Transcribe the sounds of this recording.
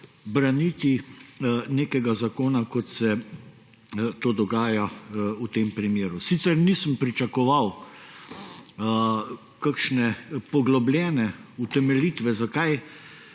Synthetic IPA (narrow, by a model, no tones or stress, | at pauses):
bɾanit̪i | neːkɛɡazakoːnakɔt̪sɛ | t̪oːd̪ɔɡaːjaut̪eːmpɾimjeːɾusit̪sɛɾnisəmpɾit͡ʃɐkɔʋaw | kakʃnɛpɔɡlɔblʲjɛːnɛut̪ɛmɛliːt̪ʋɛzakaj